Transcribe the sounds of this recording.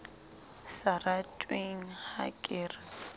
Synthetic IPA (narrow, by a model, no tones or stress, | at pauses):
saratʼweŋ̩ha̰kʼɪːra